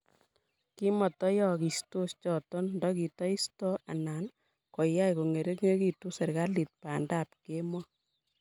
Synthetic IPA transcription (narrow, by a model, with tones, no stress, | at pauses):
ki˦mɔ˨tɔ˦jɔ˦˨ki˨sto˦st͡ʃɔ˨tɔ˦nndɔ˦ki˨tɔ˦i˦stɔ˦a̰˨na˨n | kɔ˨ja˦jko˨ŋe˨ɾe˦kŋe˦ki˨tu˦sɛ˨ɾɡa˦li˨t̚paː˨nda˦˨p̚ke˦mɔ˦